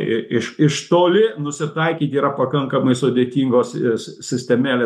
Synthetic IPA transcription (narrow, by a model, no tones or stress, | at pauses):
ɪɪʃɪʃt̪oːlʲɪnʊsʲɪt̪ɐɪkʲiːt̪ʲiːɾɐpɐkɐŋkɐmɐɪsʊd̪ʲeːt̪ʲiːŋɡoːssʲɪsʲt̪ʲɛmʲæːlʲeː